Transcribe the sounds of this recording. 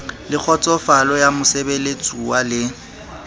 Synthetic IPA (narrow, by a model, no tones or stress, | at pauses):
lɪk͡xʰɔt͡sʼɔfalɔjamʊsebelet͡sʼuwalɪ